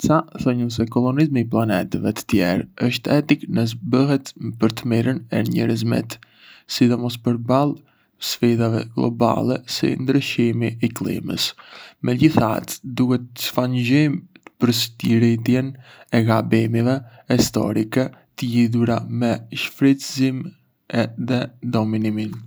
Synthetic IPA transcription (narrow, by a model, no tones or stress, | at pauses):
t͡saθɔɲus̬ɛkɔlˠɔnizmiːplˠanɛt̪əvɛt̪ə̥t̪jɛ̰ɾəʃt̪ɛt̪iknəs̬bəɦɛt̪pəɾt̪əmiɾənɛ̰ɲɛ̰ɾəzmɛ̰t̪ | sid̪ɔmɔs̬pəɾbalˠ | sfiðavɛ̰ɡlˠɔ̰ba̰lˠɛsḭnd̪ɾəʃimiɛklˠḭmə̰smɛɟiθa̰t̪d̪ukɛt̪ə̥fand͡ʑɔmpəɾst̪iɾit̪jɛnɛɡabɛmivɛ | ɛst̪ɔ̰ɾikɛt̪əjiðuɾamɛʃfɾɛt̪zim | ɛðɛd̪ɔminimin